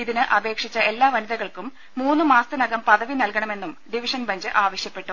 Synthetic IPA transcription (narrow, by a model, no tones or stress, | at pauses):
iðinɨʔɐbe̞ːkʂit͡ɕːɐe̞lːaːʋɐniðɐɣɐɭkumː | uːnːɨmaːst̪ɨnɐɡɐmpɐðɐʋinɐlkɐɳɐme̞nːumɖiʋiʂɐnbɐɲd͡ʑɨʔaːʋɐɕjɐpːe̞ʈːu